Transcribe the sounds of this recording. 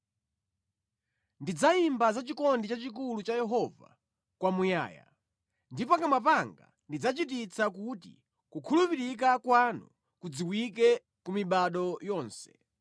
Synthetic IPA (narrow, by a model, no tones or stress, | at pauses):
ndid͡zaimbazat͡ʃikɔndit͡ʃat͡ʃik̬ulut͡ʃajɛɦɔva̰ | kwamuja̰ːja̰ | ndipɔkamapaŋɡa̰ | ndid͡zat͡ʃit̬it͡sʰak̬utḭ | kukʰulupiɾik̬akwanṵ | kud͡ziwik̬ɛ | kumiɓaɗɔjɔːnsɛ̥